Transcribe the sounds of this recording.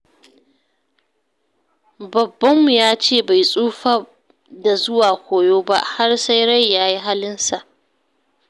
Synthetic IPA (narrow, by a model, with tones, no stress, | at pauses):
bɐ˨bːɐ˦mːu˨jaː˦t͡ʃeː˦˨ba˨jsʼuː˦ɸa˦ | da˨zʊ˦waː˨kʷoː˨joː˦ba̰˦ʔha˦rsa˦jɽa˦jːaː˦ji˦ɦa˦lɪ˦nsa˨ʔ